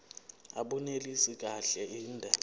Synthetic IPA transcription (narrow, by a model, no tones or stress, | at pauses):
a̰ɓunelisik̬ʼaɬɛiːndʱɛ